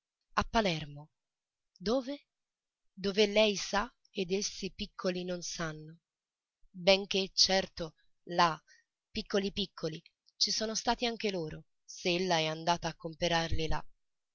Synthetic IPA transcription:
apːalɛrmo | d̪oːve | d̪ovelɛjsa | ed̪esːipikʰːolinonsanːo | beŋk̟et͡ʃːɛrt̪o | la | pikːolipikʰːoli | t͡ʃisoːnost̪aːt̪iaŋk̟eloːɾo | seelːaɛand̪aːt̪aːkːompeɾarlila

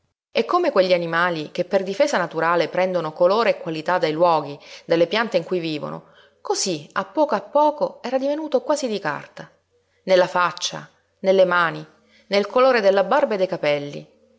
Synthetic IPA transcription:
ekːomekweʎːianimaːlik̟epːerd̪ifeːzanat̪uɾaːlepɾɛnd̪onokoloːɾeːkwalit̪ad̪ejlwɔːɡid̪elːepjant̪eiŋkujviːvo̰no̰ | kozia̰pːɔːkoapːɔːkoɛːɾad̪ivenuːt̪okwaːzid̪ika̰rt̪a | nelːafat͡ʃːa̰ | nelːemaːni | nelkoloːɾed̪elːabarbed̪ejkapɛlːḭ

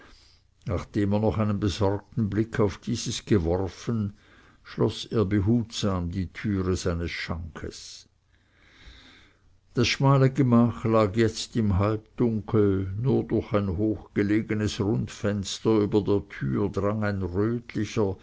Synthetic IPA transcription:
naːχd̥eːmeːɐnɔχaɪnənbəzɔrk̚tn̩blɪkʰaʊfd̥iːzəsɡ̥əvɔʁfən | ʃlɔseːɐbəɦuːtsaːmdiːtʰyːʁəzaɪnəsʃaŋkʰə̰s | d̥asʃmaːləɡəmaːxlaːɡjɛt͡stɪmɦalpd̥ʊŋkʰl̩nuːɐdʊɐçaɪnɦoːxɡ̥əleːɡənəsʁʊntfɛnstɐyːbɐdeːɐtʰyːɐdʁaŋaɪnʁøːtʰlɪçɐ

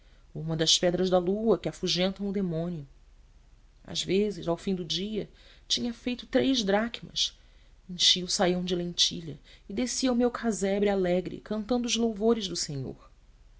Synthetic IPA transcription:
ũmɐd̪ɐspɛd̪ɾɐzd̪ɐluɐkɪafuʒẽnt̪ɐ̃w̃ʊd̪emõniʊ | a̰ʒvezɪzawfĩd̪ʊd͡ʒiɐ | t͡ʃĩɲɐfejt̪ʊt̪ɾejʒd̪ɾakimɐ̰s | ĩŋʃiʊsajɐ̃w̃d͡ʒɪlẽnt͡ʃiʎɐɪd̪esiɐumewkʰazɛbɾɪalɛɡɾɪ̰kɐ̃nt̪ɐ̃nd̪ʊːzlowvoɾɪʒd̪ʊseɲo̰ɾ

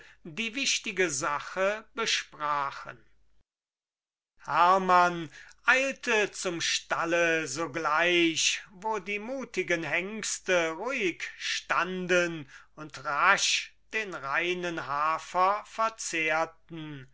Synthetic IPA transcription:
diːvɪʃtɪɡəzaχəbəʃpʁaːχə̰n | hæɐmanʔaɪltət͡sʊmʃtaləzoːɡlaɪɕvoːdiːmuːtɪɡənhɛŋkstəʁuɪkʃtandən | ʊntʁaʃd̥eːnʁaɪnənɦaːfɐfɛɐt͡seːɐtn̩

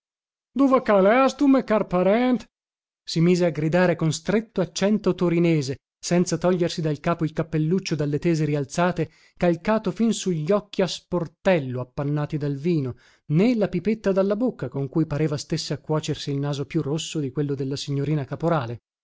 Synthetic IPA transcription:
d̪uvakaːleast̪umekarpaɾɛnt̪ | simiːzeaɡɾid̪aːɾekonst̪ɾet̪ːoat͡ʃːɛnt̪ot̪oɾineːze | sɛnt̪sat̪ɔʎːersid̪alkaːpoilkapːelːut͡ʃːod̪alːet̪eːzeɾialt̪saːt̪e | kalkaːt̪ofinsuʎːɔkːiasport̪ɛlːoapːanːaːt̪id̪alviːno | nelapipet̪ːad̪alːabokːakoŋkujpaɾeːvast̪esːeakːwɔːt͡ʃersiːlnaːzopjurːosːod̪ikwelːod̪elːasiɲːoɾiːnakapoɾaːle

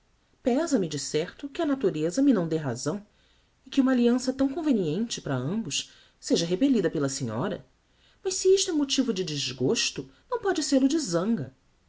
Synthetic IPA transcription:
pɛzɐmɪd͡ʒɪsɛɾt̪ʊkɪɐnat̪uɾezɐmɪnɐ̃w̃d̪eɦa̰zɐ̃w̃ | ɪkɪũmɐaliɐ̃sɐt̪ɐ̃w̃kõveniẽnt͡ʃɪpɾɐɐ̃mbʊʃ | seʒɐɦepelid̪ɐpelɐsĩɲɔ̰ɾɐ̰ | mɐʃsiiʃt̪ʊɛ̃mot͡ʃivʊd͡ʒɪd͡ʒɪzɡoʃt̪ʊnɐ̃w̃pɔd͡ʒɪseɾlʊd͡ʒɪzɐ̃ŋɡɐ̰

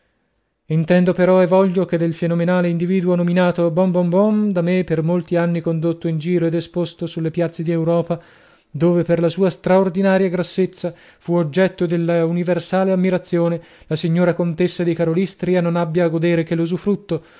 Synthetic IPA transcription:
int̪ɛnd̪opeɾɔɛvɔʎːoked̪ːelfenomenaːleind̪iviːd̪uonominaːt̪obɔmbɔmbɔnd̪amepːermolt̪ianːikond̪ot̪ːoind͡ʒiːɾoed̪espost̪osulːepjat̪sːed̪iewɾɔːpa | d̪oːveperlasuːast̪ɾaord̪inaːɾjaɡɾasːet̪sːa | fuod͡ʒːɛt̪ːod̪elːauniversaːleamːiɾat̪sːjoːne | lasiɲːoːɾakont̪esːad̪ikaɾolist̪ɾianonabːjaːɡod̪eːɾek̟elːuzufɾut̪ːo

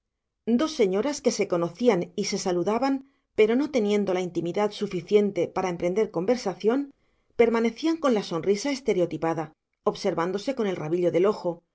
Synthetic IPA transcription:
d̪o̞sːe̞ɲo̞ɾaske̞se̞ko̞no̞θianise̞saluðaβam | pe̞ɾo̞no̞t̪e̞njẽ̞nd̪o̞laint̪imiðaðsufiθje̞nt̪e̞paɾae̞mpɾe̞nd̪e̞ɾko̞mbe̞ɾsaθjo̞n | pe̞ɾmane̞θiaŋko̞nlaso̞nrisae̞st̪e̞ɾeo̞t̪ipaða | oβse̞ɾβand̪o̞se̞ko̞ne̞lraβiʎo̞ðe̞lo̞xo̞

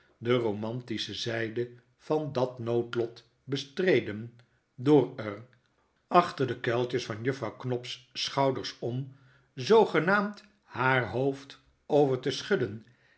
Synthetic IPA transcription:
dəromɑntisəzɛjdə | v̥ɑndɑtnowtlɔt | bəstrejdən | dʊːɹər | ɑχtəɹdəkɛlˠtəsfɑnjɵfrɑwknɔpssχɑwdəɹsɔm | zowχənaːmt | haːɹɦoʊft | owvəɹtəsχɵdən

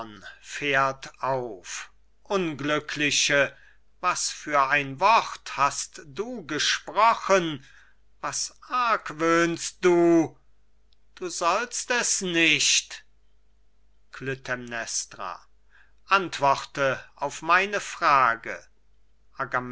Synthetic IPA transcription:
nfeːɐtaʊf | ʔʊnɡlʏkʰlɪʃə | vasfyːɐaɪnvɔχthastd̥uːɡəʃpʁ̥ɔχən | vasʔaɐkvøːnst̚d̥uː | d̥uːzɔlstɛsnɪʃt | kʰlʏtʰɛmnɛstʁa̰ | ʔantv̥ɔʁtəʔaʊfmaɪnəfʁ̥aːɡə̰ | ʔaɡam

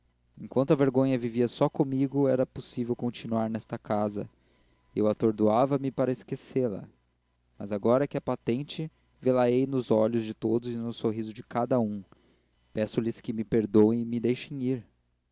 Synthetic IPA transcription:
ẽŋkwɐ̃nt̪ʊɐveɾɡõɲɐviviɐsɔkõmiɡʊɛɾɐposivewkõnt͡ʃinuaɾnɛst̪ɐkazɐ̰ | ewat̪oɾd̪uavɐmɪpaɾɐɪskeselɐ̰ | mɐ̰zaɡɔɾɐkɪɐpat̪ẽnt͡ʃɪ | velaejnʊzɔʎʊzd͡ʒɪt̪od̪ʊzɪnʊsoɦizʊd͡ʒɪkad̪ɐũ | pɛsʊlɪskɪmɪpeɾd̪õwɪ̃mɪd̪ejʃẽj̃iɾ

